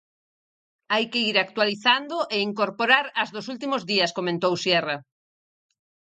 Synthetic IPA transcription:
ajkeiɾak̚t̪waliθand̪oʔeiŋkoɾpoɾaɾazðosult̪̬imozðiɐskomẽnt̪owsjɛra

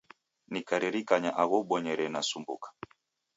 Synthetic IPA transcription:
nikaɾɛɾikaɲaʔaɣɔɓɔɲɛɾɛnasumbṵkḁ

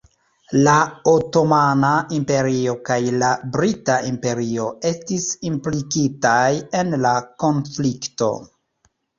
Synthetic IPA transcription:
laoto̞manaimpe̞ɾio̞kajlabɾitaʔimpe̞ɾio̞e̞stisimplikitaje̞nlako̞nflikto̞̰

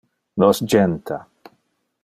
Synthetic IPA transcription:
nɔsd͡ʒɛnt̪ʰa

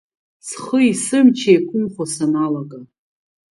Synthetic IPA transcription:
sχəisɨmt͡ʃʰejkʷʰʊmχʷasanalaɡa

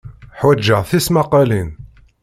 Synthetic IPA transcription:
ħwæd͡ʒːəʁθismɑqɑlin

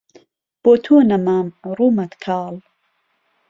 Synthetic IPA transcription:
b̥oːt̪ʰuːnɐmaːmruːmɐt̪kʰɑːl

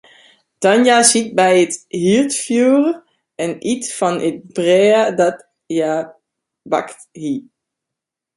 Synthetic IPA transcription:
d̥ɔnjasit̚bɛjəthitfjuːrə | ɛnitfɔnət̚brɛːədɔt | jaː | ba̰kthi

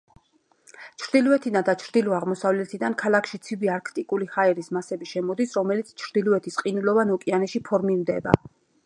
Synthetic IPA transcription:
t͡ʃʰɾd̪ilˠɔɛt̪ʰid̪and̪at͡ʃʰɾd̪ilɔaʁmɔsavlɛt̪ʰid̪ankʰalˠakʰʃit̪sʰibiaɾkʰt̪ʼikʼulihaɛɾismasɛbiʃɛmɔd̪isɾɔmɛlit̪sʰt͡ʃʰɾd̪iluɛt̪ʰisqʼinulɔvanɔkʼianɛʃipʰɔɾmimd̪ɛba̰

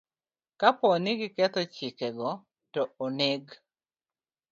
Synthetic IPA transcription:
kapɔnɪɡɪkɛt̪ɔt͡ʃɪkɛɡɔ | tɔoneɡ

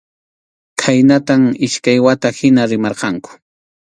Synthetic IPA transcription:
kʰajnat̪amɪʃkajwat̪ahɪnaɾɪmɑɾqɑŋkʊ̥

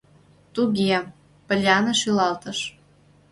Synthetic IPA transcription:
t̪uɣi | pə̆lʲɑnɤ̆ʃylɑlt̪ɤ̆ʃ

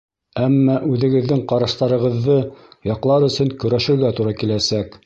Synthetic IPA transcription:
æmːɑʔʉðɘ̆ɡɘ̆ðːɘŋqɑɾɑʃt̪ɑɾɤ̆ʁɤ̆ðːɤjɑqlˠɑɾɵ̆sɵŋkɵ̆ɾæʃɘ̆ɾɡæt̪uɾɑkilæsæk

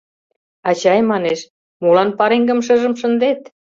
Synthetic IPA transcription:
ɑt͡ɕɑjmɑneʃ | mulɑnpɑɾeŋɡə̆mʃə̆ʒə̆mʃə̆nd̪et̪

